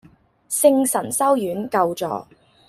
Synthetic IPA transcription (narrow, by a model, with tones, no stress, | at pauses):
sɪ˥ŋsɐ˨˩nsɐ˥wjyː˨˥nkɐ˧wt͡sɔ̰ː˨